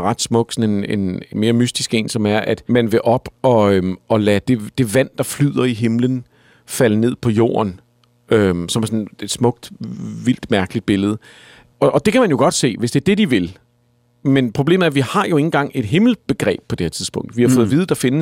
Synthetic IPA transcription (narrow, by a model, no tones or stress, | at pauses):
ʁɑ̈d̥smɔ̽ɡ̥sɒ̽nene̝nenme̝ːɐmysd̥isɡ̥e̝̰ːnsɒ̽mæɐʔæd̥mænʋe̝ʔɒ̽b̥ɒ̽øɒ̽læd̥e̝d̥e̝ʋæn̰d̥ɑ̈flyð̰ˠɐiɦe̝mlən | fæləne̝ð̰ˠpʰɒ̽jo̝̰ːɐn | ømsɒmæɐsɔ̽ne̝d̥smɔ̽ɡ̥̚d̥ʋil̰d̥mæɐɡ̥əlid̥̚b̥e̝ləð̞ˠə | ɒ̽ʔːd̥e̝kʰæmænjo̝ɡ̥ɒ̽d̥se̝̰ːʋe̝sd̥e̝ɐd̥e̝d̥iʋe̝l | menpʰʁo̝b̥e̝̰ːm̩əæɐʋihɑ̈jo̝e̝ŋn̩ɡ̥ɑ̈ŋ̰e̝d̥ɦe̝ml̩b̥e̝ɡ̥ʁɛ̰ːb̥̚pʰːɒd̥e̝heɐt͡sʰiðˠsb̥ɔ̽ŋ̰d̥ʋihɑ̈fɔ̽ːð̩ˠʋið̞ˠəd̥ɑ̈fe̝nə